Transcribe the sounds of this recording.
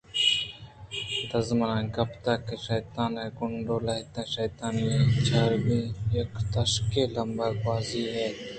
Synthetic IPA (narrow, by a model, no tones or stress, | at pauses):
d̪ɐzmɐnãːɡɐpt̪aːkeʃɐjt̪aːneɡʊɳɖoːlɐɦt̪ẽʃɐjt̪aːnmẽt͡ʃʰaːɾbĩjekt̪ɐʃkelɐmbəɾbaːziɦɛː